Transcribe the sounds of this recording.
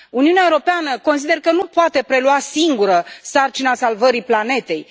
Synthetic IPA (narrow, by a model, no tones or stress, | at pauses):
uniuneaewoɾo̞peanəko̞ns̬id̪e̞rkənupoat̪e̞pɾe̞luasiŋɡuɾəsart͡ʃinasalvəɾiplane̞t̪e̞j